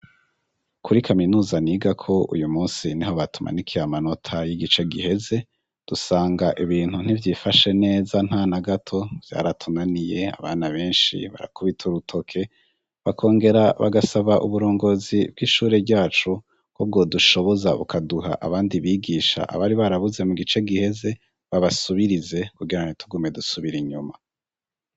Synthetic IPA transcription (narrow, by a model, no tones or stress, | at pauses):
kʰuɾikʰaminuːzaniːɡakʰo̞ṵjumuːnsiniho̞βatʰumʔa̰nikʰijamano̞tʰajiɡit͡ʃe̞ɡihe̞ze̞ | d̥usaːŋɡaʔiβiːn̥hun̥ivjiːfaʃe̞ne̞ːzan̥haːnaɡatʰo̞v̥ja̰ːɾatʰunanije̞a̰βaːnaβe̞ːnʃḭβa̰ɾa̰kuβitʰuɾutʰo̞kʰe̞ | βakʰo̞ːŋɡe̞ɾaβaɡasaβaʔṵβuɾo̞ːŋɡo̞zibɡiːʃuːɾe̞bɟaːt͡ʃu | kwob̚ɡo̞duʃo̞βo̞zaβṵkʰaduɦa̰ʔa̰βaːndiβiːɡiːʃa̰ʔa̰βaɾiβaɾaβuze̞muɡit͡ʃe̞ɡihe̞ze̞ | βaβasuβiɾize̞kuɡiɾanitʰuɡume̞dusuβiɾiɲuma